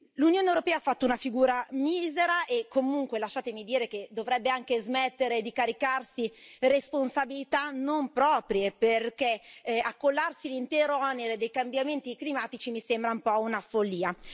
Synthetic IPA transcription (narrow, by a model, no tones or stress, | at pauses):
lunjoːnewɾopɛːafːat̪ːounafiɡuːɾamiːzeɾaʔekʰːomuŋkwelaʃːaːt̪emid̪iːɾeked̪ovɾɛbːeaŋkezmɛt̪ːeɾed̪ikaɾikarsiresponsabilit̪anompɾɔːpɾjeperkeakːolːarsilint̪ɛːɾoɔneɾed̪ejkambjament̪iklimaːt̪it͡ʃimisembɾaumpɔunafolːiːa